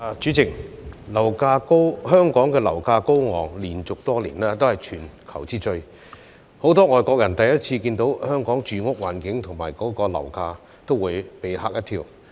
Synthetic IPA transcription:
t͡ʃyː˨˥t͡sɪ˨˩k̚lɐ˨˩wkaː˧ko˥whœː˥ŋkɔː˨˥ŋkɛː˧lɐ˨˩wkaː˧ko˥wŋɔ̰ː˨˩ŋliː˨˩nt͡sʊ˨k̚t̪ɔː˥liː˨˩nɛː˥t̪o˥whɐ˨˩jt͡ʃʰyː˨˩nkʰɐ˨˩wt͡siː˥t͡ʃɵ˧ɥ | ho˨˥wt̪ɔː˥ŋɔː˨jkɔː˧k̚jɐ˨˩nt̪ɐ˨jɐ˥t̚t͡sʰiː˧kiː˧nt̪o˨˥whœː˥ŋkɔː˨˥ŋt͡ʃyː˨ŋʊ˥k̚waː˨˩nkɪ˨˥ŋt̪ʰʊ˨˩ŋma̰ː˨˩jkɔː˨˥kɔː˧lɐ̰˨˩wkaː˧ | t̪o˥wwuː˨˧jpe˨˧jha̰ː˥k̚jɐ˥t̪ʰiː˧w

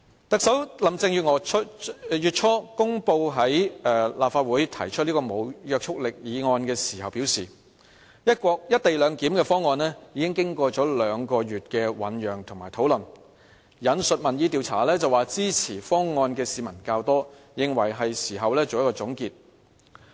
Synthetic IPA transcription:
t̪ɐ˨k̚sɐ˨˥wlɐ˨mt͡sɪ˧ŋjyː˨t̚ŋɔː˨˧˥jyː˨˧t̚t͡ʃʰɔː˥kʊ˥ŋpo˧wɦɐ˨˦˥jɛː˨laː˨pfaː˧t̚wuː˨˥jt̪ʰɐ˨˩jt͡ʃʰɵ˥t̚li˥kɔː˧mo˨˧wjœː˧k̚t͡ʃʰʊ˥k̚lɪ˨k̚jiː˨˧ŋɔː˧nkɛː˧siː˨˩hɐ˨wpiː˨˥wsiː˨ | jɐ˥t̚kɔː˧k̚jɐ˥t̚t̪e˨jlœː˨˧ŋkiː˨˥mkɛː˧fɔː˥ŋːɔː˧nlɛː˥jiː˨˧kɪ˥ŋkɪ˥ŋkɔː˧t͡ʃɔː˨˥lœː˨˧ŋkɔː˧jyː˨t̚kɛː˧wɐ̰˨˥njœː˨ŋt̪ʰʊ˨˩ŋmaː˨˩jt̪ʰo˨˥wlɐ˨n | jɐ˨˥nsɵ˨t̚mɐ˨˩njiː˨˧t̪iː˨wt͡sʰa̰ː˨˩lɛː˥t͡sɐ˨waː˨˩t͡siː˥t͡sʰiː˨˩fɔː˥ŋŋɔː˧nkɛː˧siː˨˧mɐ˨˩nkaː˧wt̪ɔː˥ | jɪ˨˧ŋwɐ˨˩jɦɐ˨jsiː˨˩ɦɐ˨wlɛː˥t͡so˨wjɐ˥kɔː˧ʊ˨˥ŋkiː˧t̚

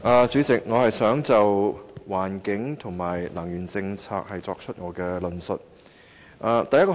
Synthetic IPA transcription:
ʔaː˨˧t͡syː˨˥t͡sɪ˨k̚ŋɔː˨˧hɐ˨jsœː˨˥ŋt͡sɐ˨wwaː˨˩nkɪ˨˥ŋt̪ʰʊ˨˩ŋmaː˨˩jlɐ˨˩ŋjyː˨˩nt͡sɪ˧ŋt͡sʰa̰ː˧k̚hɐ˨jt͡sɔː˧k̚t͡ʃʰɵ˥t̚ŋɔː˨˧kɛː˧lɵ˨˩nsɵ˨t̚ | ʔaː˨˧t̪ɐ˨jɐ˥kː

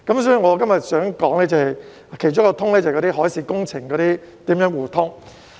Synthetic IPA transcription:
kɐ˨˥msɔː˨˥jy˨˧ŋɔː˨˧kɐ˥mjɐ˨t̚sœː˨˥ŋkɔː˨˥ŋlɛː˥t͡sɐ˨hɐ˨j | kʰe˨˩jt͡ʃʊ˥kːɔ˧t̪ʰʊ˥ŋlɛː˥t͡sɐ˨˩kɔː˨˧ti˥ɦɔː˨˥jsiː˨˧kʊ˥ŋt͡sʰɪ˨˩ŋkɔː˨˧ɾiː˥ | t̪iː˨˥mjœː˨˥ŋwuː˨˩t̪ʰʊ˥ŋ

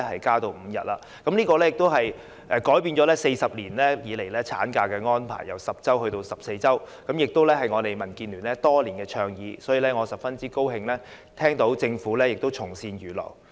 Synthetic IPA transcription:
hɐ˨jkaː˥t̪o˧wm̩˨˧jɐ̰˨t̚laː˧ | kɐ˨˥mniː˥kɔː˧lɛː˥jɪ˨k̚t̪o˥wɦɐ˨j | ʔɛː˨˧kɔː˨˥jpiː˧nt͡ʃɔ˨˧˥lɛː˥se˧jsɐ˨p̚liː˨˩nlɛː˥jiː˨˧le˨˩jlɛː˥t͡sʰa̰ː˨˥nkaː˧kɛː˧ŋɔː˥npʰa̰ː˨˩jːɐ˨˩wsɐ˨p̚t͡sɐ˥whɵ˧ɥt̪o˧wsɐ˨p̚se˧jt͡sɐ˥wkɐ˨˥mjɪ˨k̚t̪o˥wlɛː˥ɦɐ˨jŋɔː˨˧t̪e˨jmɐ˨˩nkiː˧nlyː˨˩nlɛː˦˥t̪ɔː˥liː˨˩nkɛː˧t͡ʃʰœː˧ŋjiː˨˧sɔː˨˥jiː˨˧lɛː˥ŋɔː˨˧sɐ˨p̚fɐ˥nt͡siː˥ko˥whɪ˧ŋlɛː˥ | t̪ʰɛː˥ŋt̪o˨˥wt͡sɪ˧ŋfuː˨˥lɛː˥jɪ˨k̚t̪o˥wt͡sʰʊ˨˩ŋsiː˧njyː˨˩lɔ̰ː˨˩w

